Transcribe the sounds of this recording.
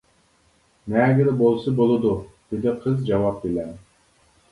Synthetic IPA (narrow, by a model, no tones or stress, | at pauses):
nɛːɡʲɪɾɪbolˠsɨbolˠɨd̪ud̪̥ɪd̪ɪqʰəzd͡ʒɑwɑp̚belɛn